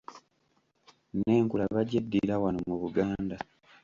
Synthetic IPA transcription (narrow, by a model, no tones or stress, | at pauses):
ne̞ːŋkulaβaɟedːiɾawanomuβuɡaːnda